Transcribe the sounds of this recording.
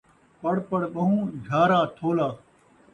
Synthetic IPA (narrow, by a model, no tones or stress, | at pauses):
pɐɽpɐɽbɐɦũːd͡ʒʱaːɾaːt̪ʰoːlaː